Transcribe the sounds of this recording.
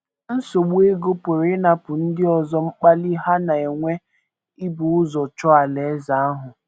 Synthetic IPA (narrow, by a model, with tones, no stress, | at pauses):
n̩˦so˨ɡ͡be˦ɡo˦po˨ɾe˦na˨pʊ˨n̩˦dɪ˦ɔ˨zɔ˦ŋ͡m̩˦k͡pa˦li˦ɦa˦na˨e˨ŋʷe˦ | ɪ˦bu˨ʊ˦zɔ˨t͡ʃɔ˦a˨le˨e˦za˨a˦ɦʊ˨